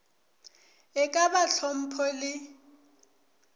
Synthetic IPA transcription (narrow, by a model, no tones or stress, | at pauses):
ɛkʼabaɬʰɔm̩pʰɔlɪ